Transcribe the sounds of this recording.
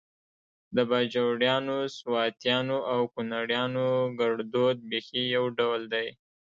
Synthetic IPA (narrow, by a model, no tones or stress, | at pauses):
d̪əbad͡ʒawɽjɑnoswɑt̪jɑnoʔawkʊnaɽjɑnoɡaɽd̪od̪̚bexijawɖawld̪aj